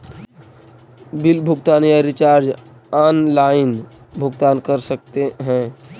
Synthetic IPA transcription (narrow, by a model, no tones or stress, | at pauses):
bɪlbʱʊɡt̪aːnijaɾɪt͡ʃaːɾd͡ʒ | aːnlaːɪn | bʱʊɡt̪aːnkəɾsək̚t̪eɦɛ̃ː